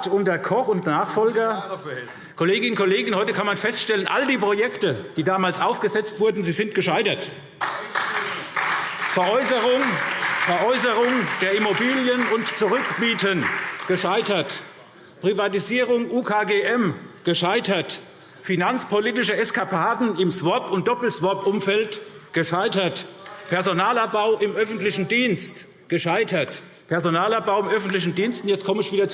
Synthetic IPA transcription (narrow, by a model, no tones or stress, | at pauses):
tʊntɐkʰɔχʊntnaːχfɔlɡɐ | kʰoleːɡɪnnkʰoleːɡən̩hɔʏtəkʰanmanfɛstʃtɛlənʔa̰ldiːpʁ̥ojɛktəd̥iːdaːmaːlsʔaʊfɡ̥əzɛt͡stv̥ʊɐdn̩ziːzɪntɡ̥əʃaɪtɐt | fɛɐʔɔʏsəʁʊŋfɛɐʔɔʏsəʁʊŋd̥eːɐʔimobiːljənʊntt͡suʁʏkbiːtənɡ̥əʃaɪtɐt | pʁ̥ivatiziːʁʊŋʔuːkʰaːɡeːʔɛmɡ̥əʃaɪtɐt | finant͡spʰoliːtɪʃəɛskapʰaːdn̩ɪmsvɔɐpʊnt̚d̥ɔpl̩svɔɐpʔʊmfɛltɡ̥əʃaɪtɐtpʰɛɐzonaːlab̥aʊʔɪmʔœfn̩tlɪçn̩diːnst | ɡ̥əʃaɪtɐt | pʰɛɐzonaːlap̚b̥aʊɪmʔœfn̩tlɪç̬n̩diːnstn̩jɛt͡stkʰɔməɪçv̥iːdɐt͡s